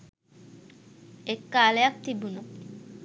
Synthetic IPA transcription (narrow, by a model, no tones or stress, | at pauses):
ekːaːlejak̚t̪ibunu